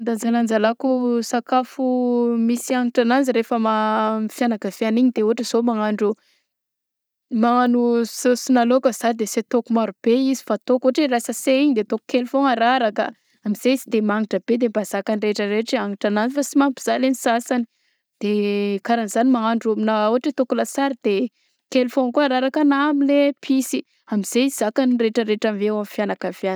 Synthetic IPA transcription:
nd̪and͡zaland͡zalakusakafumisiaŋiʈ͡ʂanand͡ziɾefəmamfjanakav̥eaniɲid̪euaʈ͡ʂəz̥omaŋaɳɖ͡ʐu | maanusosinalokəzad̪eset̪okumaɾub̥eizifat̪okuɦʈ͡ʂerasəseiɲid̪et̪oku̥kelfoŋaɾaɾakə̰ | amiz̥eizid̪emaŋiʈ͡ʂəb̥ed̪ebaz̥akanireʈ͡ʂəɾeʈ͡ʂiaŋiʈ͡ʂananifasimampi̥z̥alenisasani | d̪̥ekaɾaniz̥animaaɳɖ͡ʐuminauɦaʈ͡ʂet̪okulasaɾid̪̥e | kelfõŋkuaɾaɾakanamilepʰisi | amiz̥ez̥akanireʈ͡ʂəɾeʈ͡ʂamvewamfjanakafjanə̥

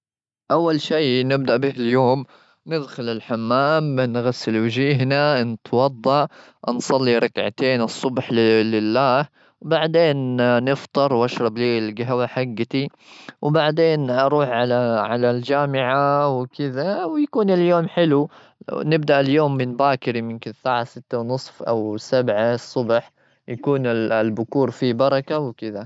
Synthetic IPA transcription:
ʔawːalʃiːnɪb̚d̪aʔbɪhɪljoːm | nɪd̪xʊlɪlħamːaːmːɪnɣasːɪlwɪd͡ʒiːɦnant̪wɑd̪ˤːɑʔ | nsˤɑlːiɾˤɑkʕa̰t̪eːnɨsˤːʊbħlɪlːaːh | wbaʕd̪eːnːɪft̪ˤɨɾˤwʔaʃɾˤɑbliːlɡaɦwaħaɡːt̪i | wbaʕd̪eːnʔɑɾˤuːħʕalaʕalald͡ʒaːmɪʕawkɪðawjakuːnɪljoːmħɪlu | nɪb̚d̪aʔɪljoːmːɪnbaːkɪɾimʊmkɪnsaːʕasɪt̪ːawnɨsˤfʔa̰wsabʕasˤːʊbħ | jakuːnɪllbʊkuːɾfibɑɾˤɑkawkɪða

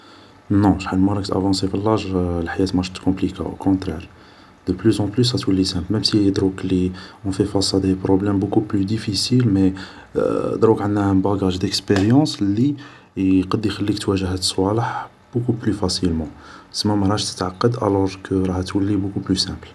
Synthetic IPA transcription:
nɔ̃ʃħalmɑɾˤɑkt̪æ̰vɑ̃sifəlːɑʒlħajæt̪mɑʃət̪kɔ̃plika̰ʔo̰kʰɔ̃t̪ɾɛɾ | d̪̥əplyzɑ̃plys̬ɑt̪wəlːisæ̃plmɛmsid̪ɾukliɔ̃fɛfɑsˤɑd̪ipɾɔblɛmbukuplyd̪ifisilmɛ | d̪ɾukʕənnæbɑɡaʒd̪əkspeɾjɑ̃sli | qɑd̪jxælːikt̪wæʒəɦæt̪əsˤwɑləħ | b̥ukuplyfæsilmɑ̃səmːæmæɾˤɑʃt̪ə̥t̪ʕaqːɑd̪ʔæ̰lɔɾkʰəɾˤɑhæt̪wəlːibukuplysæ̃pl

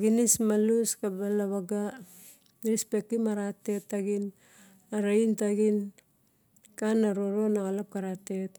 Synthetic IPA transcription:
ɡinismaluskabalaβaɡa | ɾispek̚timaɾate̞tːaɡin | aɾaintaɡin | kanaɾoɾo̞naɣalap̚kaɾate̞t

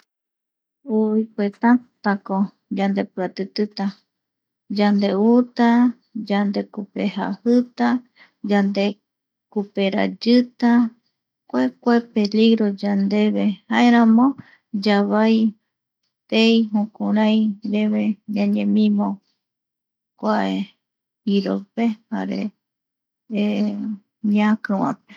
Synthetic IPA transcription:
uikuet̪ant̪ako | d͡ʒand̪e̞pɨɾat̪ɨt̪ɨt̪a | d͡ʒand̪e̞ut̪a | d͡ʒand̪e̞kupeha̰hɨt̪a | d͡ʒand̪e̞ | kupe̞ɾa̰d͡ʒɨt̪a | kʷekʷepe̞liɣɾo̞d͡ʒand̪e̞βehaeɾãmõ | d͡ʒaβaj | t̪ejɦũkũɾãj̃ɾeβed͡ʒãɲẽmĩmõ | kʷaʔe | iɾopeha̰ɾḛ | ɲakɨwã̰pe

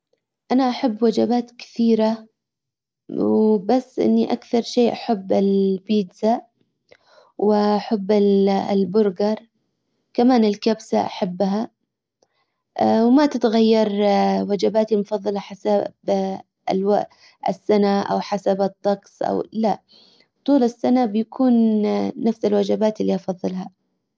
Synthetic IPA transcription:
ʔanaʔaħabːwad͡ʒabaːt̪kɪ̥θiːɾa | wbasːʔɪ̰nːiʔakθɑɾˤʃeːʔaħabːɪlbiːd̪sa | wɪʔaħabːɪllbʊɾɡɑɾˤ | kamaːnɪlkabsa̰ʔaħabːɦa | ʔwmat̪ɪt̪ɣajːɑɾˤwad͡ʒabaːt̪imʊfɑðˤːɑlɑħasab̥̰ | lwa | ʔɪ̰sːanaʔa̰wħasabɨt̪ˤːɑqsˤʔa̰wla | t̪ˤuːlɪsːanabjakʰuːnːafsɪlwad͡ʒabaːt̪ɪlːiʔɑfɑðˤːɨlɦa

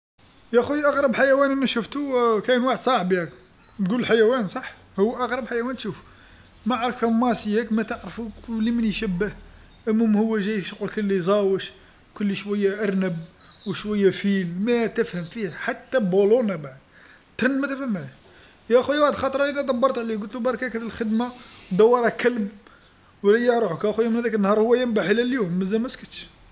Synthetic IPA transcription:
jæxujʔɑɣɾˤɑbħajæwænənæʃʊft̪ukænwaħəd̪sˤɑʕbihæk | t̪ɡullħajæwænsˤɑħ | hʊwːʔɑɣɾˤɑbħajæwænt̪ʃuf | mæʕɾˤəfæmːɑsəjækmæt̪əʕɾfuklːimənjʃəbːəh | ʔæmːæmhʊwːæʒæjʃqukəlːijzˤɑwəʃ | kʊlːiʃwæjːæʔɑɾˤnəb | wʃwæjːæfilmæt̪əfhəmfihæħat̪ːæbolunæbaʕəd̪ | t̪ːɾˤənmæt̪əfhæmæj | jæxujwaʕd̪xɑt̪ˤɾˤɑlinæd̪ˤɑbːɑɾˤt̪ʕliɡʊlt̪lubɑɾˤɑkækæd̪əlxəd̪mawd̪ɑwːɑɾˤɑkəlb | wlæjɑʕɾˤuukʔæxujæmənhæd̪ækənːhɑɾˤhʊwːæjəmbaħəlælljumːəzːælmæskət̪ʃ

